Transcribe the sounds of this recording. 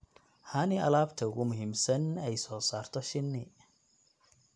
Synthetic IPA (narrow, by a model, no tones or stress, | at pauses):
hɐnɪɐ̰laːbt̪ʰɐʊɣʊmʊɦiːmsɐnɛjsɔːsaːrt̪ʰɔʃɪnːɪ